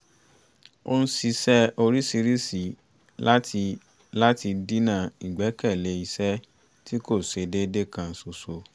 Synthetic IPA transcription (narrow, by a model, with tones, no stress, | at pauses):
o̰˦n̩˦si˧sɛ˦o˧ɾi˦si˧ɾi˦si˨ | a˦ | la˦ti˧di˦nã˦˨i˨ɡ͡bɛ˨˦kɛ˦˨le˧˦i˧sɛ˦ | ti˦ko˦˨se˧de˦de˦kã˧n̩˨su˨so˧